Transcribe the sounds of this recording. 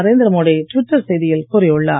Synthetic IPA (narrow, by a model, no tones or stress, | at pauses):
ɐɾeːnd̪ɪɾɐmoːɽiʈʋɪʈːɐɾsɛjðɪjɪlkʊɾɪʊɭːa̰ː